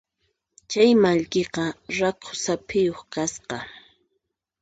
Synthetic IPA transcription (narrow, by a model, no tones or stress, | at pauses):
t͡ʃajmaʎkeqɑɾakʰʊ̥sapʰɪjoχkasqɑ